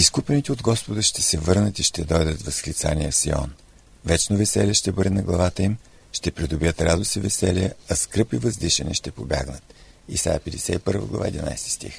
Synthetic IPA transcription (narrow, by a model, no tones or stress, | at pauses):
iskupɛnit̪ɛod̪ɡɔspod̪əʃt̪ɛsɛvɤɾnət̪iʃt̪ɛd̪ɔjd̪ət̪vɐsxlʲit̪saniəsḭɔ̰n | vɛt͡ʃnovɛsɛlʲəʃt̪ɛbɤd̪ɛnɐɡlˠɐvat̪əim | ʃt̪ɛpɾid̪ʊbijət̪ɾad̪osivɛsɛliəɐskɾɤpivəzd̪iʃɛnɛ̰ʃt̪ɛpobʲja̰ɡnət̪isa̰ɛpɛd̪ɛsɛipɤɾvə̰ɡlˠɐ̰va̰ɛd̪ina̰jst̪i̥st̪ḭx